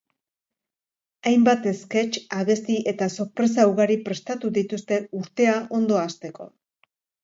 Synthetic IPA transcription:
ajmbat̪e̞ske̞t͡ʃaβe̞st̪iʔe̞t̪aso̞ɾpɾe̞s̬auɣaɾipɾe̞st̪at̪uðit̪ust̪e̞uɾt̪e̞aʔo̞nd̪o̞ast̪e̞ko̞̰

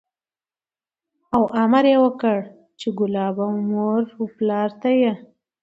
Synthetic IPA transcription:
awʔamaɾjewəkəɽ | t͡ʃeɡʊlɑbawmoɾplɑɾt̪aje

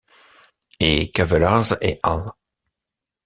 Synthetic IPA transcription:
ekavəlaːzeʔal

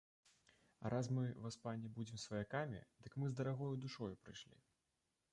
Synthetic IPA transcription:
ɐ̰ɾʔasmɨvaspanʲːɛbud͡zʲimsvɐjakamʲḭd̪ɨkmɨzd̪ɐɾaɣɔjud̪uʂɔjupɾɨjʂlʲḭ

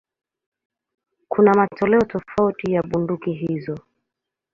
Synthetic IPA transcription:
kʰunamatɔlɛɔtɔfautijaɓundukiɦizɔ

